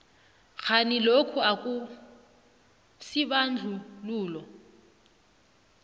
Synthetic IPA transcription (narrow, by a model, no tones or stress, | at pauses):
ɣʰanilokʰuakʼu | siβand͡ɮʱuluːlɔ